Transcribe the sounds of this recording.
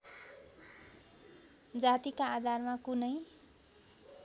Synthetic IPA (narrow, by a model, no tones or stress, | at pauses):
d͡zat̪ikaːd̪ʱarmakunʌj